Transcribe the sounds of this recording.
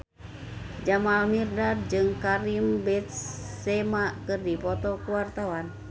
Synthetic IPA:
d͡ʒamalmirdad̚d͡ʒɨŋkaɾimbɛt̪̚sɛmakɨrdipɔt̪ɔkuwart̪awan

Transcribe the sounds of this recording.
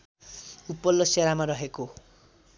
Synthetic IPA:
upːʌlːʌseɾamaɾʌɦeko

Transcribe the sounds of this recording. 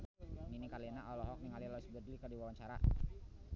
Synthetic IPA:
ninikalinaʔɔlɔɦɔk̚niŋalilɔsbədlikədiwawaɲt͡ʃaɾa̰

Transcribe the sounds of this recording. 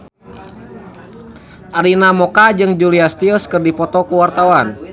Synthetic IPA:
ʔaɾinamɔkad͡ʒɨŋd͡ʒuliast̪iuskɨrdipɔt̪ɔkuwart̪awan

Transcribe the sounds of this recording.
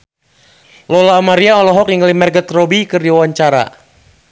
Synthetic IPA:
lɔlaːmaɾiaɔlɔɦɔkjəŋlimɛrɡət̪rɔbikɨrdiawaɲt͡ʃaɾa̰

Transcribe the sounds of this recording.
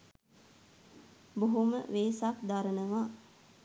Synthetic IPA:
boɦumə̰ʋeːsakd̪aɾənəʋa

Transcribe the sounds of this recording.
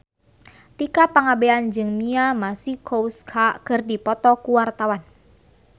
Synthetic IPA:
t̪ikapaŋabeand͡ʒɨŋmiamasihkouskʰakɨrdipɔt̪ɔkuwart̪awan

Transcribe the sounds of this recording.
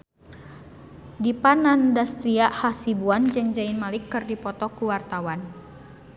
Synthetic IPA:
dipanandast̪ɾiaʔhasibuand͡ʒɨŋd͡ʒainmalɪkːɨrdipɔt̪ɔkuwart̪awan

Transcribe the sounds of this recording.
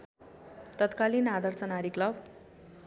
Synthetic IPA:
t̪ʌt̪kalinad̪ʌrt͡sʌnaɾiklʌb

